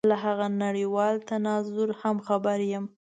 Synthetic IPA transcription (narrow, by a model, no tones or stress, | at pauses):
laɦaɣanaɽiwɑlt̪anɑzʊɾhamxabaɾjəm